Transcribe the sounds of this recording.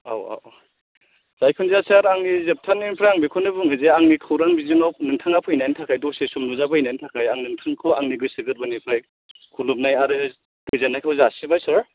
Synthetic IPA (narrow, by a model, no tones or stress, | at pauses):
a̰wa̰w | z̥ajkʰɯnzasaɾaŋnizep̚tʰanːinipʰɾajaŋbikʰɔnɯbuŋhɯzeaŋnikʰɯwɾaŋbizinɔp̚nɯŋtʰaŋapʰɯjnajntʰakʰajdɔsesumnuzabʰɯinajntʰakʰajaŋnɯŋtʰɯŋkʰɔaŋniɡɯsɯɡɯɾbanipʰɾaj | kʰulup̚najaɾɯ | duzanːajkʰawzasibajsaɾ